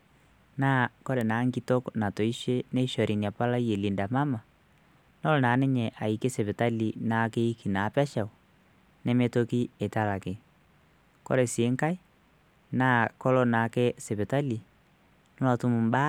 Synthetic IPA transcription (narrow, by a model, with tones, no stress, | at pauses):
naː˦kɔ˦ɾɛ˨naː˨˦ŋki˦to˦kna˨to˨i˦ʃe˦ne˦i˦ʃɔ˨ɾʔi˨nja˨pa˦la˦je˨li˨nda˨ma˦ma˨ | nɔ˦lnaː˨˦nɛ˦ɲɛ˨ʔa˨i˨ke˦se˨pɛ˨ta˦li˨na˨˦ke˦i˦ki˨na˨˦pɛ˦ʃa˨u˨ | nɛ˦me˦to˦ki˦e˨ta˦la˨ke˨ | kɔ̰˦ɾe˨seː˨˦ŋka˦i˦ | naː˦kɔ˦lɔ˦na˨˦ke˦se˨pɛ˨ta˦li˨ | nɪ˦wa˨tu˦mʊ˨mba˦